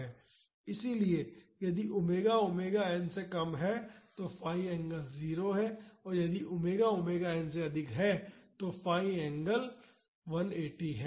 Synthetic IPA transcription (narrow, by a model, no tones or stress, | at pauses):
ɛː | ɪsilie | jɐd̪iʔʊmeːɡaʊmeːɡaɛːnsekɐmɦɛt̪ofaːiɛ̃ːŋɡəlziːɾoɦɛɔːɾjɐd̪iʔʊmeːɡaʊmeːɡaɛːnseɐd̪ʱɪkɦɛt̪ofaːiɛ̃ːŋɡəl | ʋɐneːʈiɦɛː